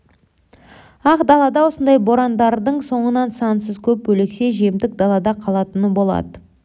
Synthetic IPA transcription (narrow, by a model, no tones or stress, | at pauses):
ɑqd̪ɑlˠɑd̪ɑwo̞sənd̪ɑjbo̞ɾɑnd̪ɑɾd̪əɴso̞ɴənɑnsɑnsəzkʲʰɵp̚bɵle̞kse̞ʒiemd̪ɪk̚d̪ɑlˠɑd̪ɑqʰɑlˠɑt̪ənəbo̞lˠɑ̰d̪ə